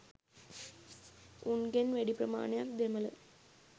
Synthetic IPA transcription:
unɡenʋæɽipɾəma̰ːɳejak̪d̪emələ̰

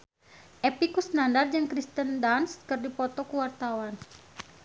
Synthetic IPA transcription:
ʔɛpikusnandard͡ʒəŋkɾist̪əndanskərdipɔt̪ɔkuwart̪awan

